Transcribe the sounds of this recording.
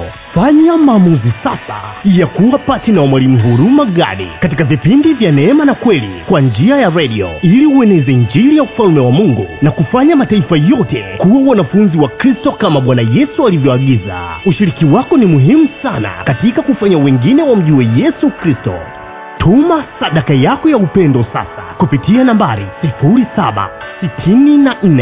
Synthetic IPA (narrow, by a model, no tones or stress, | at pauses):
faɲamaːmuzisasa̰ijakuwapatinawamwalimuɦuɾumaɠa̰ɗḭkatikavipindivjanɛɛmanakwɛlḭkwand͡ʒiajaɾɛɗiɔ̰iliuɛnɛzɛnd͡ʒiɾijaufalmɛwamuŋɡṵnakufaɲamataifajɔtɛkuwawanafunziwakɾistɔkamaɓwanajɛsualivjɔaɠiza̰uʃiɾikiwakɔnimuɦimusana̰katikakufaɲawɛŋɡinɛwam̩ʄiwɛjɛsukɾistɔ̰ | tʰumasaɗakajakɔjaupɛndɔsa̰sa̰kupitianambaɾisifuɾisaɓa̰ | sitʰininan̩nɛ